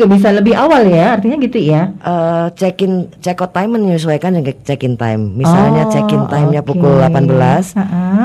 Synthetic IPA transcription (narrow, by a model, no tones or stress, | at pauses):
ɡabis̬aləbɪɦawaljaːrt̪iɲaɡit̪ujaʔət͡ʃɛkɪnt͡ʃɛkɔt̪ːajmənɲus̬uajkand͡ʒəŋkət͡ʃɛkɪnt̪a̰jmːisalɲat͡ʃɛkɪnajmɲapukʊllapanbəlasʔa